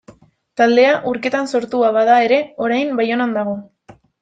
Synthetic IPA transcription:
t̪ald̪e̞aʔuɾke̞t̪anso̞ɾt̪uaβaðae̞ɾe̞o̞ɾajmbajo̞nand̪aɣ̞o̞

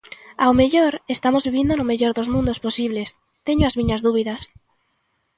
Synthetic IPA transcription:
awmeʎoɾest̪amozβiβ̞ind̪onomeʎoɾðozmũnd̪osposiβles | t̪eɲoazmĩɲazðuβ̞iðas

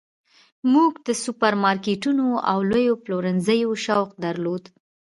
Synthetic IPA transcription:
muɡd̪əsupaɾmɑɾkeʈunoa̰wlojoploɾənzəjoʃawq̚d̪aɾlod̪

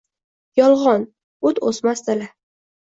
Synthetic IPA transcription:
jɒlˠʁɒn | ʊt̪osmast̪ala

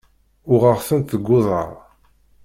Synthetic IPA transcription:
ʊʁəʁθənt̪əɡːʊðˤə̰ɾˤ

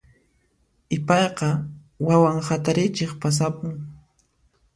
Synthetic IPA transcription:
ɪpɑjqɑ | wawaŋhat̪aɾɪt͡ʃeχpas̬apʊŋ

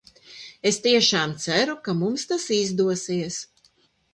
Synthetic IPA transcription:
est̪iɛʃaːmt̪sæɾukamumst̪asizd̪uɔsiɛs

